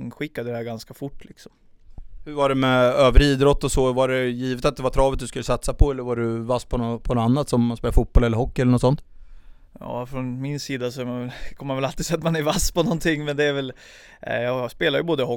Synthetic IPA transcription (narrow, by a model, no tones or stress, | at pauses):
ɧɪkːad̪əɾhæːɾɡanskafʊʈːlɪksɔm | hɵɾvaɖɛmɛøːvəɾiːd̪ɾɔt̪ːɔsɔvaɖɛjiːvət̪at̪̚d̪ɛvat̪ʰɾɑːvət̪̚d̪ɵskɵlːəsat̪sapʰɔɛlːəɾvaɖɵvaspʰɔnɔpʰɔnɔanːat̪sɔmːanspeːlafut̪̚bɔlɛlːəɾɦɔkːɪɛlːəɳɔt̪sɔnt̪ | jɑ̰ːfɾɔnmɪnsiːd̪asɔkʰɔmːmanvɛlalt̪ɪsɛjat̪manæɾvaspʰɔnɔnt̪ʰɪŋːmɛnd̪ɛæɾvɛl | jɑːspeːlaɾjɵboːd̪əhɔ